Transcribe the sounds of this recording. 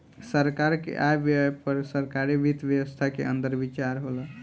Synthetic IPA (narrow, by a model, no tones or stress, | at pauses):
səɾkaɾkḛʔabjpəɾsəɾkaɾibit̪bjəwəst̪ʰakḛənd̪əɾbit͡ʃaɾɦolə